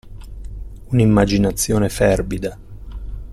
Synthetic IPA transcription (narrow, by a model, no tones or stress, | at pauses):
unimːad͡ʒinat̪sːjoːnefɛrbid̪a